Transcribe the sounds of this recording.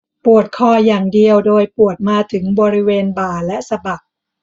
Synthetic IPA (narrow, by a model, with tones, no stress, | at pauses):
pu˨˩ət̪̚kʰɔː˧jaː˨˩ŋdi˧əwdoː˧jpu˨˩ət̪̚maː˧t̪ʰɯ˩˦ŋbɔː˧ɾi˦˥weː˧nbaː˨˩lɛ˦˥ʔsa˧ba˨˩k̚